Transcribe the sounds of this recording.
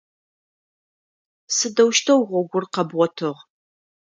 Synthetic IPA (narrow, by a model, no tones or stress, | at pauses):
sɨdɐwʃtʰɐwʁʷɔɡʷʊrqɐbʁɔtʰɨʁ